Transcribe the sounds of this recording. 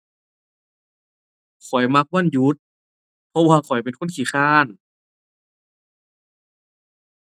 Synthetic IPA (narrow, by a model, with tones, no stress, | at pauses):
kʰɔ˨˩jma˧˥k̚wa˧˥˨nju˧˦˥t̪̚ | pʰɔ˧˥waː˧kʰɔ˨˩jp̬e˨nkʰo˧˥˨nkʰiː˧˩xaː˧˥˩n